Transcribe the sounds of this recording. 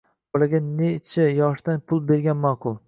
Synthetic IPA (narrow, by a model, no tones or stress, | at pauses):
bolaɡʲanet͡ʃʰajɒʃd̪anpʰʊlˠbe̞ɾɡʲanmaqʰʊlˠ